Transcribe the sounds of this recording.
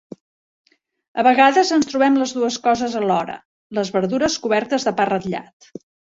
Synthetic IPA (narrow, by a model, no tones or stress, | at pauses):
əβəɣaðəzənst̪ɾuβɛmləzðuəskɔzəzəlɔɾə̰ | ləzβəɾðuɾəskuβɛɾt̪əzðəparət̪ʎa̰t̪